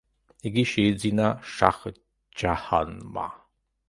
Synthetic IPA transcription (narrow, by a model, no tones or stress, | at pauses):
iɡiʃed͡zinaʃa̰χ | d͡ʒaha̰nma̰